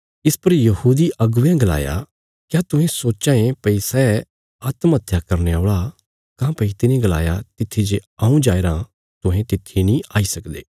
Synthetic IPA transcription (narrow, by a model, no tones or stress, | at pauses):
ɪspɐɾjɐhuːd̪iʔɐɡʊjãɡɐla̰ːja̰ | kjaːt̪ʊ̃ɦẽsoːt͡ʃãːẽpɐisɛː | aːt̪mɐt̪ʰːjakɐɾneaːɭa | kãːpɐit̪ɪnĩɡɐla̰ːjat̪ɪt̪ʰːid͡ʒeaːũd͡ʒaːeɾã | t̪ʊ̃ɦẽt̪ɪt̪ʰːinĩaːisɐkd̪ḛː